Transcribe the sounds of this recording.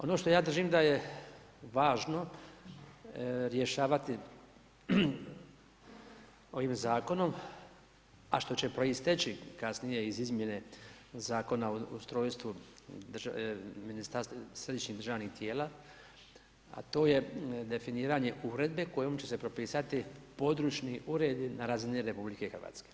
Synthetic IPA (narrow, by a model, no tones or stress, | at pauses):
o̞noʃt̪o̞jaːd̪ɾ̩r̩ʒiːmd̪aje | ʋaːʒno̞ | ɾje̞ʃaːʋat̪i | o̞ʋiːmzaːko̞no̞m | a̰ʃt̪o̞t͡ɕe̞pɾo̞ist̪et͡ɕikasnije̞izizmje̞ne̞ | zaːko̞naoust̪ɾo̞ːjst̪ʋuʒminist̪aɾst̪sɾe̞d̪iʃɲid̪r̩ʒaːʋnixt̪jeːlaː | a̰t̪o̞ːje̞d̪e̞finiːɾaɲe̞ʔuːɾe̞d̪̚be̞ko̞joːmt͡ɕe̞se̞pɾo̞piːsat̪ipo̞d̪ɾuːt͡ʃniʔuɾe̞d̪inaɾaːziniɾe̞publike̞xɾʋa̰ːt̪ske̥